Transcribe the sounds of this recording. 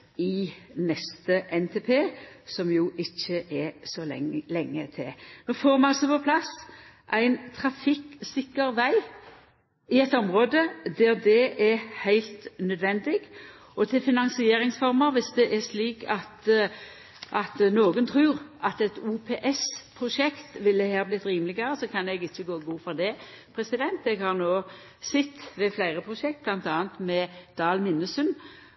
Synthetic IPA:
ɪnɛst̪əʔɛnt̪ʰeːpʰeːsɔmjʊʔɪçːəʔɛsɔlɛŋːət̪ʰɪ̰nɔfoːʁmɑɑsɔpɔpʰlɑs | ʔæɪnt̪ʰɾɑfɪksɪkːəɾʋæɪ | ɪɛt̪ɔmʁoːd̪əd̪æʁd̪ɛɛɾhæɪlt̪nœd̪ʋɛnd̪ɪɡ | ɔt̪ʰɪlfɪnɑŋsɪeːɾɪŋsfɔʁməɾʋɪsd̪ɛʔɛʁʂliːkʰɑt̪ | ʔɑt̪noːɡənt̪ʰɾʉːʁʔɑt̪ɛt̪uːpʰeːʔɛspʰɾʊʃɛkt̪ʋɪld̪ɛhæːʁblɪt̪ɾiːmlɪɡəɾəsɔkʰɑnɛɡɪçːəɡoːɡuːfɔʁd̪ɛ | pʰɾɛsɪd̪ɛnt̪ɛɡhɑʁnoː | sɪt̪ːʋɛflæɪʁəpʰʁʊʃɛk̚t̪̚blɑnt̪ɑːənt̪mɛd̪̥ɑːlmɪnːəsən

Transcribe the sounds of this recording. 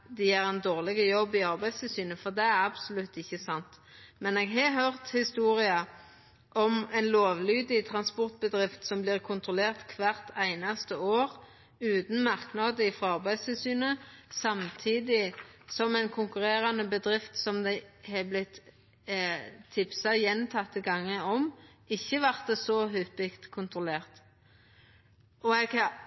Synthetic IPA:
d̪ɪæɾɛnd̪oːʁlɪɡəjɔbːɪɑʁbæɪd̪st̪ɪlsyːnəfɔʁd̪ɛæʁɑbsʊlʉt̪ːɪçːəsɑnt̪ | mɛneːɡɦɑɦœʁt̪hɪst̪uːʁɪɑ | ʔɔmæɪnloːʋlyːd̪ɪt̪ʰʁɑnspɔʁt̪̚bəd̪ʁɪft̪sɔmbliːʁkʰʊnt̪ʁɔleːʁt̪kʰʋæʁt̪æɪnɑst̪əoːʁ | ʉːt̪n̩mɑʁknɑːd̪əɪfʁɑɑʁbæɪd̪st̪ʰɪlsyːnəsɑmt̪ʰiːd̪ɪsɔmæɪnkʰʊŋkʉʁeːʁɑnəbəd̪ʁɪft̪sɔmd̪ɛɪhɛblɪt̪ | ɪpsɑjɛnt̪ʰɑt̪ːiɡɑŋːəɔm | ɪçːəʋæʁt̪̚d̪əsɔɦʏpɪkt̪kʰʊnt̪ʁʊleːʁt̪ | ɔɛɡɑ

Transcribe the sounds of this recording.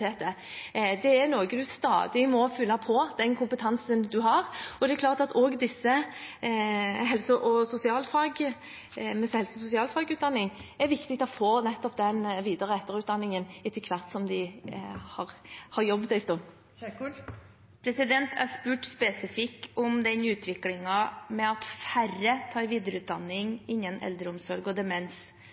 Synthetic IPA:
eːt̪ə | d̪ɛæɾnoːɡəd̪ʉst̪ɑ̰ːd̪ɪmɔfʏlːɑpʰɔd̪̥ɛnkʰʊmpət̪ʰɑnsənd̪ʉɦɑʁɔd̪ɛkʰlɑːʁt̪ɑt̪oːɡd̪ɪsːə | ɦɛlsəʔɔsʊsɪɑːlfɑːɡə | mɛshɛlsəɔsʊsɪɑːlfɑːɡʉːt̪̚d̪ɑnːɪŋæɾʋɪkt̪ɪɡ̚t̪ʰɔfoːnɛt̪ːɔp̚d̪ɛnʋiːd̪əʁəɛt̪ːəɾʉːt̪d̪ɑnːɪŋənɪt̪ʰːɪlkʰʋæɾt̪sɔmd̪ɪhɑɾhɑɾjɔbːd̪ɛɪst̪ɔ | pʰɾɛsɪd̪ɛnt̪ʰæ̰ɾspʉːʈspɛsɪfɪkːɔmd̪ɛnʉːt̪ʰʋɪklɪŋɑmɛɑt̪færɾət̪ʰɑːɪʋiːd̪əɾəʉːt̪̚d̪ɑnːɪŋɪnːənɛ̰ld̪ɾəʊmsɔɾɡɔd̪ɛmɛns

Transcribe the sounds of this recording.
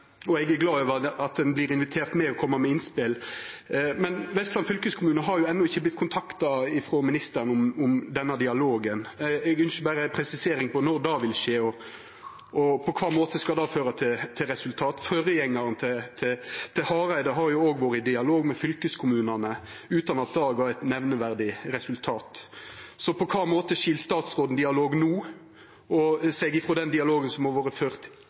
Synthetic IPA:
ɔɛɡæɡlɑːøːʋəɑt̪̚d̪ɛnblɪɾɪnʋɪt̪ʰeːʁt̪meːɔkʰɔmːɑmɛɪnspɪl | mɛnʋɛst̪lɑnfʏlkəskʰʊmʉːnəɦɑɾjʊɛnːɔɪçːəblɪt̪̚ːkʰʊnt̪ʰɑkt̪ɑɪfɾoːmɪnɪst̪əɾnʊmʊmd̪ɛnːɑd̪ɪɑloːɡənɛɡʏnsəbæːɾəpʰɾɛsɪseːɾɪŋpɔnɔɾd̪ɑːʋɪlʃeːɔ | ɔpʰɔkʰʋɑːmoːt̪əskɑd̪ɑːføːɾɑt̪ʰɪt̪ʰɪɾɛsʉlt̪ʰɑːt̪fœɾəjɛŋːɑɾənt̪ʰɛt̪ʰɪt̪ʰɪhɑːɾæɪd̪ɑɦɑɾjʊoːɡʋoːɾəɪd̪ɪɑloːɡmɛfʏlkəskʰʊmʉːnɑnə | ʉːt̪ɑnɑt̪̚d̪ɑːɡɑɛt̪nɛʋnəʋæʁd̪ɪɾɛsʉlt̪ʰɑːt̪sɔpʰɔkʰɑːmoːt̪əʃilst̪ɑːt̪sʁoːd̪n̩d̪ɪɑloːɡnuː | ɔsɛɡɪfʁɔd̪ɛnd̪ɪɑloːɡənsɔmhɑɾʋoːɾəføːʁt̪

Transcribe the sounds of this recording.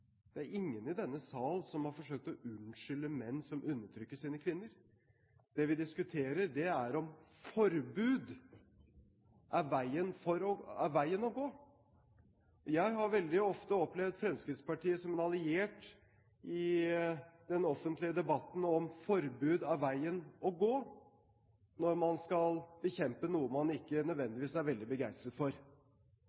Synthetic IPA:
d̪̥ɛæɾɪŋːənɪd̪ɛnːəsɑːlsɔmhɑɾfɔʂøːk̚t̪ɔʉnʂʏləmɛnːsɔmʔʉnːəʈ̪ʰɾʏkːəʂiːnəkʰʋɪnːəɾ | d̪̥ɛʋɪd̪ɪskʉt̪ʰeːɾəɖɛæɾɔmfɔɾbʉːd̪ | ʔɑʋæɪənfɔɾɔɑʋæɪənɔɡoː | jæɪɦɑɾʋɛld̪ɪɔft̪əɔplɛʋd̪fɾɛmskɾɪt̪spɑʈiːəsɔmɛnɑlɪeːʈ | ʔɪ | d̪ɛnɔfənt̪lɪəd̪ɛbɑt̪ːn̩ɔmfɔɾbʉːd̪ɑʋʋæɪənɔɡoː | nɔɾmɑnskɑlbəçɛmpənuːəmɑnɪkːənœd̪ʋɛnd̪ɪʋiːsæɾʋɛld̪ɪbəɡæɪst̪ɾət̪fɔɾ

